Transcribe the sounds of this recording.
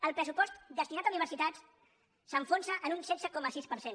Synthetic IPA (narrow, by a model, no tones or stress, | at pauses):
əlˠpɾəsupɔst̪d̪əst̪inat̪əuniβəɾsit̪at͡s | səɱfonsəʔənunsɛzəkɔməsispəɾsen